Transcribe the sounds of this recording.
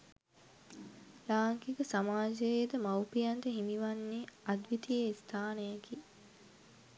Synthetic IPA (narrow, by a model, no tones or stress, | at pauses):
laːŋkikəsamaːd͡ʒəjejd̪əmawpijand̪əɦimiʋanːeɐd̪ʋit̪ijeist̪ʰaːnejaki